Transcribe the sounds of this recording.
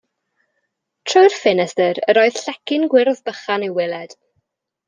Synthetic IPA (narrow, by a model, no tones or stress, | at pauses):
tʰrojrfɪnɛstəɾəɾɔːɨð̥ɬɛkɪnɡwɪɾðbəχanewɪlˠɛd̥